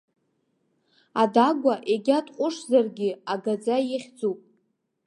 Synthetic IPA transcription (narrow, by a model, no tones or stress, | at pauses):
adaɡʷaʔeɡʲatʼqʷʼʊʂzarɡʲɪaɡad͡zajiχʲd͡zupʼ